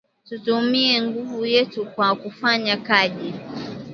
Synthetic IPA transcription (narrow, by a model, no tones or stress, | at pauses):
tutumiɛŋɡuvujɛtukwakufaɲakaʄi